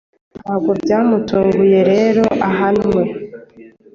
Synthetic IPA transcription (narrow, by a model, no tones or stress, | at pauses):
aɡobjaːmutoːɡuje̞ɾe̞ːɾo̞ʔaɦanwe